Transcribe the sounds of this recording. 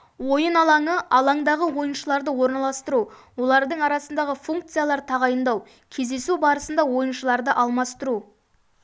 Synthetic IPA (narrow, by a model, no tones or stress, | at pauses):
wo̞jənɑlˠɑŋəʔɑlˠɑŋd̪ɑʁəwo̞jənʃəlˠɑɾd̪əwo̞ɾnɑlˠɑst̪əɾuwo̞lˠɑɾd̪əɴɑɾɑsənd̪ɑʁəfuŋk̚t̪sɨjalˠɑɾt̪ʰɑʁɑjənd̪ɑw | kʲʰe̞zd̪e̞subɑɾəsənd̪ɑwo̞jənʃəlˠɑɾd̪əʔɑlˠmɑst̪əɾu